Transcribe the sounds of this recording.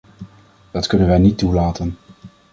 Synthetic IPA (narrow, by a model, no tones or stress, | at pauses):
d̥ɑtkɵnənʋɛjnitːulaːtən